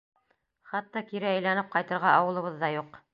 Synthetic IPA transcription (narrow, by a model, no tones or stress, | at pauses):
χɑt̪ːɑkiɾɘæjlænɘp̚qɑjt̪ɤ̆ɾʁɑʔɑwɤ̆lˠɤ̆βɤðːɑjuq